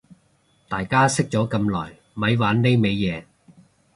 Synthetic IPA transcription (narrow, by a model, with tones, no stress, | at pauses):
t̪aː˨jkaː˥sɪ˥k̚t͡sɔː˨˥kɐ˧mlɔ̰ː˨˩j | mɐ˨˧jwaː˨˥nle˥jme˨˧jːɛː˨˧